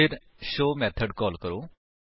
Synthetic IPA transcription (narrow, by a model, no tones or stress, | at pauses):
iɾ | ɕomɛt̪ʰəɖkɔlkəɾo